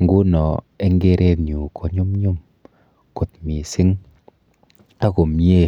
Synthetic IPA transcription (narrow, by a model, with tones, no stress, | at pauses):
ŋ˨ɡu˦nɔ˨ | ɛ˦ŋɡe˦ɾʔe˧tɲu˨kʰo˨ɲu˦mɲu˦m | kʊ˨t̪̚mi˨sɪ˦ŋ | a˦ko˨mje˦˨